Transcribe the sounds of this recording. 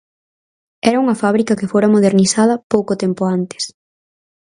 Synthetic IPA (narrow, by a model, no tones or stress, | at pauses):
ɛɾɐuŋɐfaβɾikɐkefoɾɐmoð̞eɾnisað̞ɐpowkot̪ɛmpoant̪e̥s